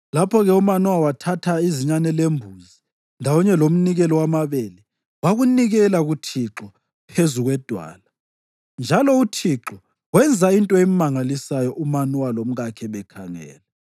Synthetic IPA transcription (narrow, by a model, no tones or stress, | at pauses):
lapʰɔɣɛumanɔwawatʰatʰaiziɲanɛlembʱuzi | ndʱawɔɲɛlom̩niɣɛlɔwamaβeli | waɣuniɣɛlaɣutʰiǁɔ | pʰezuɣwɛd̥ʱwa̰ːla | nd͡ʒʱalɔutʰiǁɔ | wɛnd͡zʱaintʼɔemmaŋalisajɔʔumanwalom̩ɣakʰɛβɛkʰaŋɛ̰ːlɛ